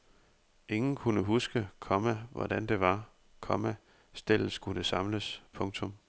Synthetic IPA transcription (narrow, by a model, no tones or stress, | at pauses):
ʔe̝ŋn̩kʰunəɦusɡ̥əkʰɒmæʋɒ̰d̥ænd̥e̝ʋɑ̈ | kʰɒ̽mæ | sd̥el̰sɡ̥ud̥əsɑ̈mləspʰɔ̽ŋt͡sʰɔ̽m